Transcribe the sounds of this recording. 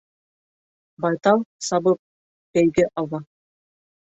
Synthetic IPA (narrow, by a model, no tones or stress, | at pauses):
bɑjt̪ɑwsɑbɤp̚ | b̥æjɡɘʔɑwɑ